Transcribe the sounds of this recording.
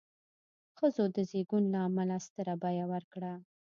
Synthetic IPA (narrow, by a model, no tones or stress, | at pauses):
xəzod̪əzeɡunlaːmalast̪əɾabɑjawaɾkɽa